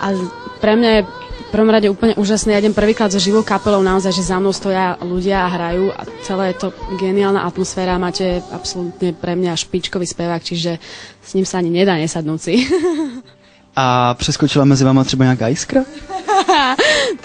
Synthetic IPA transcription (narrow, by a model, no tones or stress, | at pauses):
ʔafpɾɛmɲajɛ | fpr̩ʋɔmɾaɟɛuːpl̩ɲɛʔuːʒasniːjaɟɛmpr̩ʋiːklad̪zɔʒiʋɔʊkapɛlɔʊnaɔzajʒɛzamnɔʊst̪ɔjaluɟɪaːɦɾajuːʔa̰t͡sɛlɛːjɛt̪ɔɡɛniaːlna̰ʔat̪mɔsfɛːɾaːmaːcɛa̰psɔlut̪ɲɛpɾɛmɲaaʃpit͡ʃkɔʋiːspɛʋaːkt͡ʃiʒɛsɲiːmsaaɲiɲɛd̪aːɲɛsad̪nuːt͡si | ʔapr̥ɛskɔt͡ʃilamɛd͡zivaːmat̪r̥ɛbaɲɛakaːiskɾa